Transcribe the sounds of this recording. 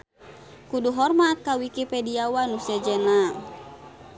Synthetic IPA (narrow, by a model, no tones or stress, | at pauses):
kuduɦɔrmat̪̚kawikipɛdiawanusɛd͡ʒɛna